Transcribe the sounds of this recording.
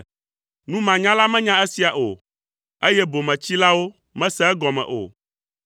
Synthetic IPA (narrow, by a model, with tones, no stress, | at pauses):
nũ˦mã˨ɲã˦la˦mɛ̃˦ɲã˦e˦si˨a˨ʔo̰˨ | e˦jɛ˦bo˨mɛ̃˨t͡ɕi˦la˦wo˦ | mɛ̃˦sɛ˦ɛ˦ɡɔ˨mɛ̰̃˨ʔo̰˨